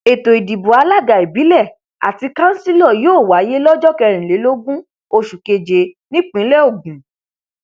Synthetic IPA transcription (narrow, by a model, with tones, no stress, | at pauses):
e˨to˨i˨di˨bu˨a˧˦la˦˨ɡa˨i˨bi˨˦lɛ˦˨ | a̰˨ti˧kã˦si˦lɔ˦˨joː˦˨wa˨˦je˦lɔ˦d͡ʒɔ˦kɛ˧ɾ̃ĩ˨le˨˦lo˦ɡũ˦ | o˧ʃu˨ke˧d͡ʒe˨ | nĩ˦k͡pĩ˨˦lɛ˦o˦˨ɡĩ˨